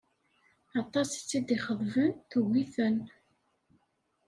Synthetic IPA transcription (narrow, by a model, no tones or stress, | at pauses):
ɑt̪ˤːɑst͡sːid̪iχəðˤvənθuwiθən